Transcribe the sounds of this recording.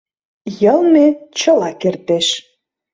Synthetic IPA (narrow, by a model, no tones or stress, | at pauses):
jəlˠmet͡ɕə̆lɑkert̪eʃ